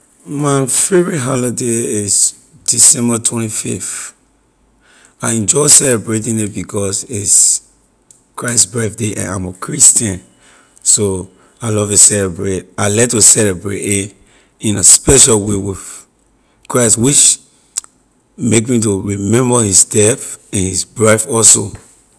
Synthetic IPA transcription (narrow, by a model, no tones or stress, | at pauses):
mãnfɛɹiɦalideis | d̥isɛ̃mbətʰwɛ̃ntifift | aɪɛ̃nd͡ʒɔɪsɛlɛbɹetĩnit̚bikʰɔsis | kɹaɪsbɹɛθdeʔɛ̰̃nã̰məkʰɹistə̃n | so | aɪlɔvtusɛlɛbɹetalɛtːusɛlɛbɹetit | ĩnaspɛʃalwewiθ | kɹaɪstwit͡ʃ | mek̬mituɹimɛ̃mbəhisdɛθɛ̃nhisbɹafɔlso